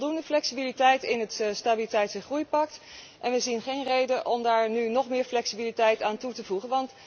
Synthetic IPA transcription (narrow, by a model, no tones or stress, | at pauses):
lˠdundəflɛksibilitɛjtɪnɦətstaːbilitɛjtsəχrujpɑk̚t | ʔɛnʋəzinχejnrejdənʔɔmdaːɹnynɔχmɪːɹflɛksibilitɛjtaːntutəvuχənʋɑnt